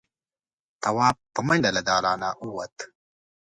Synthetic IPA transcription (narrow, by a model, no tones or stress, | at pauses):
t̪ɐwaːppːɐmɐɳɖɐlɐd̪aːlaːnaʔuwɐt̪